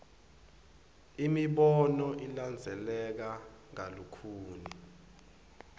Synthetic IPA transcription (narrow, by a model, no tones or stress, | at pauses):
imiɓɔnɔʔiland͡zʱɛlɛk̬aŋalukʰuːni